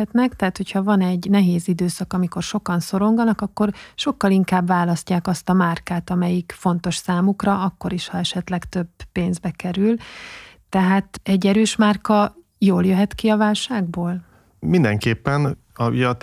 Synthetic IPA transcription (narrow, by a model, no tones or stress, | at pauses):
ɛt̪nɛkt̪ɛɦaːt̪hocʰhɒvɒnɛɟnɛɦeːzid̪øːsɒkɒmiko̞rʃo̞kɒnso̞ɾo̞ŋɡɒnɒkɒkːo̞rʃo̞kːɒliŋkaːbvaːlɒscaːkɒst̪ɒmaːrkaːt̪ɒmɛjikfo̞n̪t̪o̞ʃsaːmukrɒɒkːo̞ɾiʃhɒɛʃɛt̪lɛkt̪ø̞bːeːnzbɛkɛɾylt̪ɛɦaːt̪ɛɟːɛɾøːʃmaːrkɒ | joːljøɦɛt̪kiɒvaːlʃaːɡboːl | mind̪ɛŋkeːpːɛn | ɒḭjɒt̪